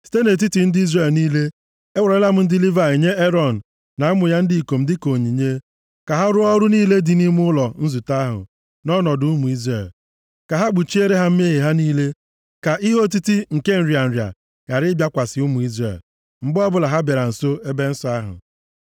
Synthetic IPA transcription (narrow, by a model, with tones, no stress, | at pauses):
si̥˨te˦ne˨t̬i˦ti˨n̩˦di˦zre˨lniː˦le˦ | e˦wa˨ɾe˦la˦m̩˦n̩˦dɪ˦li˦va˨i˨ɲe˦e˦ɾɔ˨n̩˨ | na˨a˦mʊ˨ja˦n̩˦di˨i˨ko˨m̩˦dɪ˦ko˨ɲi˨ɲe˦ | ka˨ɦa˦ɾʊ˦ɔ˦ɾʊ˦niː˦le˦dɪ˨ni˦m˦ʊ˦ʊ˦lɔ˨n̩˦zu˨ta˦ɦʊ̰˨ | nɔ˦nɔ˨dʊ˨˦u˦mu˨i˦zɾe˨l | ka˨ɦa˦ɡ͡bu˨t͡ʃi˦e˦ɾe˦ɦa˦m̩˦me˦ɦe˨ɦa˦niː˦le˦ | ka˨ʔi˦ɦo˦t̬i˦ti˦ŋ̩˨ke˦n̩˨ɾja˨n̩˨ɾja̰˨ | ɣa˨ɾɪ˦bja˦kʷa˨sɪ˨u˦mu˨i˦zrḛ˨l | m̩˨ɡ͡bʊ˦ɔ˦bʊ˨la˨ɦa˦be˨ɾa˨n̩˨so˦e˦be˦n̩˦sɔ˦a˦ɦʊ̰˨